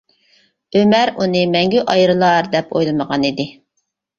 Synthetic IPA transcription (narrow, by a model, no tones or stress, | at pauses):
ømɛɾunɨmɛŋɡʲyʔɑjɾɨlˠɑɾd̪ɛpʰo̰jlˠɨməʁɑnid̪ɪ